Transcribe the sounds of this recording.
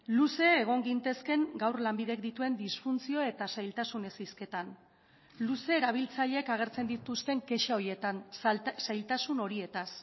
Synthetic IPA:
luse̞ːɣ̞o̞ŋɡint̪e̞ske̞ŋɡawrlambiðe̞k̚d̪it̪ue̞nd̪isfunt͡sio̞e̞t̪asajlt̪asune̞siske̞t̪an | luse̞ːɾaβ̞ilt͡saʎe̞kaɣ̞e̞ɾt͡se̞nd̪it̪ust̪e̞ŋke̞ʃao̞ɾjie̞t̪ansajlt̪asuno̞ɾie̞t̪as

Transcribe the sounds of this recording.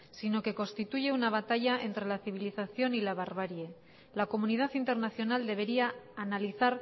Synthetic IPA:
sino̞ke̞ko̞nst̪it̪uʝe̞unaβ̞at̪aʝaʔe̞nt̪ɾe̞laθiβ̞iliθaθjo̞nilaβ̞aɾβ̞aɾje | lako̞munið̞aθint̪e̞ɾnaθjo̞nald̪e̞β̞e̞ɾiaːnaliθaɾ

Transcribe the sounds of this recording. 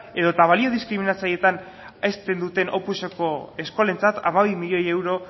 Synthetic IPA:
e̞ðot̪aβalio̞ðiskɾiminat͡saje̞t̪an | est̪e̞nd̪ut̪e̞nʔo̞puseko̞e̞sko̞le̞nt͡sat̪a̰maβimiʎo̞je̞wɾo̞

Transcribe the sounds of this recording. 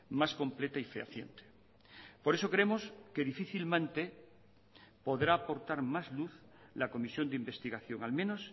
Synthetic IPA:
masko̞mple̞t̪aifea̰θje̞̰nt̪e̥ | po̞ɾeso̞kɾemoske̞ðifiθilmẽ̞nt̪e | po̞ðɾaːpo̞ɾt̪aɾmazluθ | lako̞misjo̞nd̪eimbe̞st̪iɣaθjo̞ŋalmẽno̞s

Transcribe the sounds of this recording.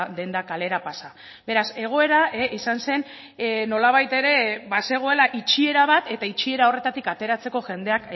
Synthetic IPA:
d̪e̞nd̪akale̞ɾapasa | be̞ɾase̞ɣ̞o̞e̞ɾaeisanse̞n | no̞laβ̞ajt̪e̞ɾe̞βase̞ɣ̞o̞e̞laʔit͡ʃie̞ɾaβ̞at̪e̞t̪ait͡ʃie̞ɾao̞re̞t̪at̪ikat̪e̞ɾat͡se̞ko̞ʝe̞nd̪e̞ak

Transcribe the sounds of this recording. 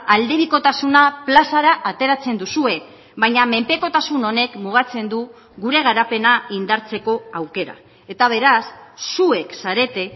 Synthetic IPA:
ald̪e̞βiko̞t̪asunaplasaɾaʔat̪e̞ɾat͡se̞nd̪usue̞ | βajɲame̞mpe̞ko̞t̪asuno̞ne̞kmuɣ̞at͡se̞nd̪u | ɣuɾe̞ɣ̞aɾape̞naind̪aɾt͡se̞ko̞awke̞ɾa̰ | e̞t̪aβ̞e̞ɾasːue̞ksaɾe̞t̪e̞

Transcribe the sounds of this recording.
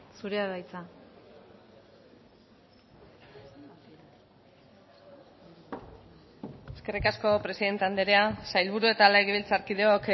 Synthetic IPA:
suɾeaðajt͡sa | e̞ske̞rikasko̞pɾe̞siðe̞nt̪eand̪eɾeasajlβuɾue̞t̪aleɣiβilt͡saɾkiðeok

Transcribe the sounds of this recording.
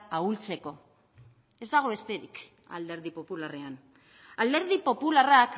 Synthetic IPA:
ault͡se̞ko̞ | e̞zd̪aɣ̞o̞βe̞st̪e̞ɾḭk | a̰ld̪e̞ɾðipo̞pulare̞an | ald̪e̞ɾð̞ipo̞pularak

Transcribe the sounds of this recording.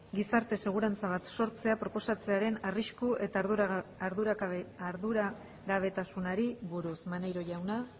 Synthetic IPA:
ɡisaɾt̪e̞se̞ɣ̞uɾant͡saβ̞at̪so̞ɾt͡se̞apɾo̞po̞sat͡se̞aɾe̞nariskuʔe̞t̪aaɾðuɾaːɾðuɾa | ɣaβ̞e̞t̪asunaɾiβuɾusmanejɾo̞ʝawna

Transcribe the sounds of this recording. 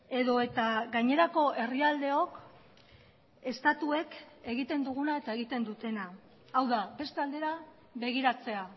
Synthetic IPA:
e̞ðo̞e̞t̪aɡaɲe̞ɾako̞ʔe̞riald̪e̞o̞k | e̞st̪at̪ue̞ke̞ɣit̪e̞nd̪uɣ̞unae̞t̪ae̞ɣit̪e̞nd̪ut̪e̞naː | wðabe̞st̪eald̪e̞ɾa | βe̞ɣiɾat͡se̞a

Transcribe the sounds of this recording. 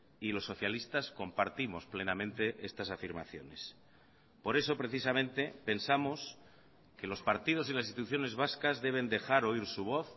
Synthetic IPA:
ilo̞sːo̞θjalist̪asko̞mpaɾt̪imo̞sple̞namẽ̞nt̪e̞ʔest̪asafiɾma̰θjo̞̰ne̞̰s | po̞ɾe̞so̞pɾe̞θis̬amẽ̞nt̪e̞pe̞nsamos | ke̞lo̞spaɾt̪ið̞o̞silas̬inst̪it̪uθjone̞zβaskazðe̞β̞e̞nd̪e̞xaɾo̞iɾsuβ̞o̞θ

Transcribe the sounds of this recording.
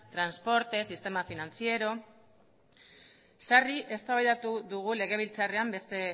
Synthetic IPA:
t̪ɾanspo̞ɾt̪e̞sist̪e̞mafinant͡sie̞ɾo̞ | sariʔe̞st̪aβajðat̪uðuɣ̞ule̞ɣ̞e̞β̞ilt͡sare̞ambe̞st̪e̞

